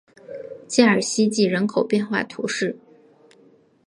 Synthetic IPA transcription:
t͡ɕɛ˥˩ə˞˨˩ɕi˥t͡ɕi˥˩ɻə˧˥nkʰo˨˩ʊpjɛ˥˧nxwa̰˥˩t̪ʰṵ˧˥ʂɻ̩˥˩

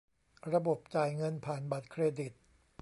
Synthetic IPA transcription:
ɾa˧bo˨˩p̚t͡ɕaː˨˩jŋɤ˧npʰaː˨˩nba˨˩t̪̚kʰɾeː˧di˨˩t̪̚

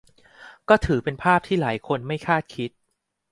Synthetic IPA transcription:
kɔː˥˩t̪ʰɯː˩˦pe˧npʰaː˥˩p̚t̪ʰiː˥˩laː˩˦jkʰo˧nma˥˩jkʰaː˥˩t̪̚kʰi˦˥t̪̚

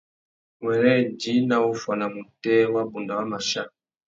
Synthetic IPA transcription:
ŋwɛ˨ɾɛ˦˨di˨˦na˦u˦fwa˨na˨mu˨tɛ˦wa˦bu˨nda˨wa˦ma˨ʃa˦

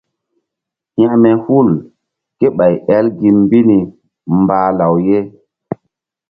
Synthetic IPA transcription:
hĩ˦a˦mɛ˨hu˦˨l | ke˦ɓa˨jɛ˦lɡi˨mbi˦ni˨ | mbaː˨˦la˨wje˦

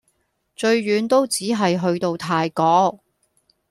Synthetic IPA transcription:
t͡ʃɵ˧ɥɥyː˨˧nt̪o˥wt͡siː˨˥ɦɐ˨jɦɵ˧ɥt̪o˧wt̪ʰaː˧jkɔː˨˥

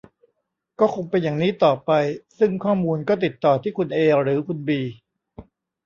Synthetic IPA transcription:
kɔː˥˩kʰo˧ŋpe˧njaː˨˩ŋniː˦˥t̪ɔː˨˩pa˧jsɯ˥˩ŋkʰɔː˥˩muː˧nkɔː˥˩t̪̬i˨˩t̪ːɔː˨˩t̪ʰiː˥˩kʰu˧nʔeː˧ɾɯː˩˦kʰu˧nbiː˧

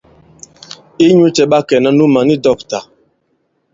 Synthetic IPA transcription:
i˦ɲu˦t͡ʃɛ˨ɓa˦kɛ˨na˦nu˦ma˨ni˦dɔ˦˨kta˨

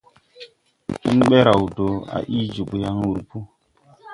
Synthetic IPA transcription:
i˦nɓe˦ɾa˨wdo˨a̰˨ʔi˦d͡ʒu˨kja˦ŋwu˨ɾpu˦

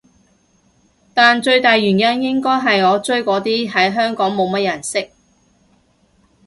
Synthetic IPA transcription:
t̪aː˨nt͡ʃɵ˧ɥt̪aː˨jɥyː˨˩njɐ˥njɪ˥ŋkɔː˥jɦɐ˨jŋɔː˨˧t͡ʃɵ˥ɥkɔː˨˥t̪iː˥ɦɐ˨˥jɦœː˥ŋkɔː˨˥ŋmo˨˧wmɐ˥t̚jɐ˨˩nsɪ˥k̚

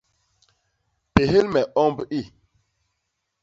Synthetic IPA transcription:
pe˨ɦe˦lmɛ˨ʔɔ˦mbi˦˨

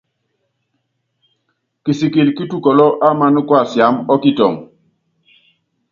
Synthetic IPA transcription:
ki˨si˨ki˨lki˦tu˦kɔ˨lɔ˦ʔa˦ma˦nu˦kwa˦˨sja˨˦mɔ˦ki˦tɔ̰˨ŋ

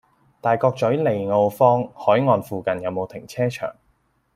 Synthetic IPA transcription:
t̪aː˨jkɔː˧k̚t͡sɵ˨˥ɥle˨jŋo˧wfɔː˥ŋhɔː˨˥jŋɔː˨˧nfuː˨kɐ˨njɐ˨˧wmo˨˧wt̪ʰɪ˨˩ŋt͡sʰɛː˥t͡ʃʰœ̰ː˨˩ŋ

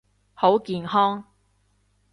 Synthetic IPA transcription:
ho˨˥wkiː˨˧nhɔː˥ŋ

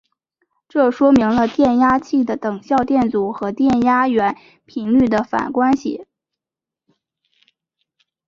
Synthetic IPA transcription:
ʈ͡ʂɤ˥˩ʂwɔ˥mi˧˥ŋlə˧t̪jɛ˥˩nja˥t͡ɕʰi˥˩d̪ə˩t̪ɤ˨˩ŋɕjɑ˥˧ʊt̪jɛ˥˩nt͡su˨˩xɤ˧˥t̪jɛ˥˩nja˥ɥɛ˧˥n | pʰi˧˥ŋly˥˩d̪ə˩fa̰˨˩nkwa˥nɕḭ˨˩

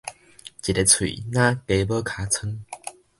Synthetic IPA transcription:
t͡ɕi˨te˧t͡sʰwḭ˨˩nã˦ke˧bə˦kʰa˧t͡sʰə˦ŋ

